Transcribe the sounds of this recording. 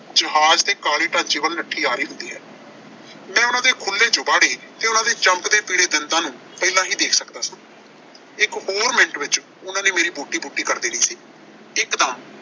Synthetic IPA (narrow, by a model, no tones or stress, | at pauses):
d͡ʒəɦaːd͡ʒt̪eːkaːleːʈə̃ːnt͡ʃiːʋəlnəʈʰːiːaːɾiːɦʊ̃nd̪iːɦɛː | mɛ̃ːʊnãːd̪eːkʰʊlːeːd͡ʒʊbaːɽeːt̪eːʊnãːd̪eːt͡ʃəmkd̪eːpiːɽeːd̪ɪnt̪ãːnũː | pɛːlãːɦiːd̪eːkʰsəkd̪aːsĩː | ɪkhoːɾmɪɳʈʋɪt͡ʃ | ʊnãːnẽːmeːɾiːbuːʈiːbuːʈːiːkəɾd̪iːnĩːsiː | ɪkd̪ãː